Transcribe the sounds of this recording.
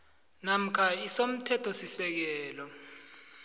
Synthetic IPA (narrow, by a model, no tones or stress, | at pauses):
nam̩kʰaisom̩tʰɛtʰɔsisɛk̬ɛːlɔ